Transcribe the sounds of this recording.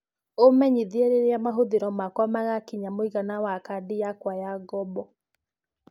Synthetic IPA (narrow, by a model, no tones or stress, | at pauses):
omɛɲiðieɾeɾeamaɦoðeɾɔmakwamaɣakiɲamoiɣanawakadijakwajaɡɔbɔ